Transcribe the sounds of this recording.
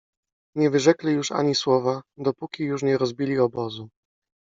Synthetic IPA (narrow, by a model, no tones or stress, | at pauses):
ɲɛvɘʐɛklɛjuʂa̰ɲiswɔvad̪ɔpukʲijuʂ̬ɲɛɾɔzbʲilʲiɔbɔzu